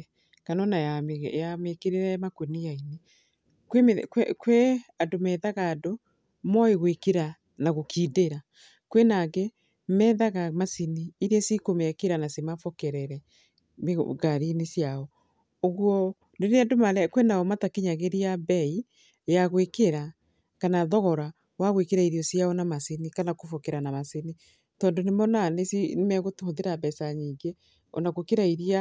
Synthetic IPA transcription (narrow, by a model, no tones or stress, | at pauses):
kanɔnajamjamekeɾeɾɛmakonijaine | kwekɛkweadomɛðaɣaːdo | mɔeɣwekeɾa | naɣokʰiːdeɾa | kwenaɣe | mɛːðaɣamasiniːɾiɛsikomɛkeɾanasemafɔkɛɾɛɾɛ | mḛɣaɾinesjaɔ | oɣwɔ | neneɛdomaɾɛkwenaɔmatakeɲaɣeɾijabɛi | jaɣwekeɾa | kanaðɔɣɔɾa | waɣwekeɾaiɾiɔsjaɔnamasenikanakofɔkɛɾanamaseni | tɔːndonemɔnanesinemɛɣotoðeɾabɛsaɲiːŋɡe | ɔ̰naɣokeɾaiɾia